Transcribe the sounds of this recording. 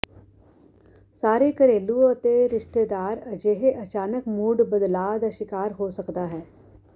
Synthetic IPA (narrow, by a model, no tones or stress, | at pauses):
saːɾekəɾeːluət̪eɾɪʃt̪eːd̪aːɾəd͡ʒeːɦeʔɐt͡ʃaːnəkmuːɖbəd̪laːd̪aʃɪkaːɾɦoːsəkd̪aːɦɛː